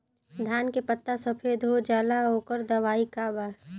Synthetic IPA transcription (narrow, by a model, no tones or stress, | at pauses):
d̪ʱaːnkepət̪ːasəpʰeːd̪ʱɦod͡ʒaːlaɦoːkəɾd̪ɐʋaːikabaː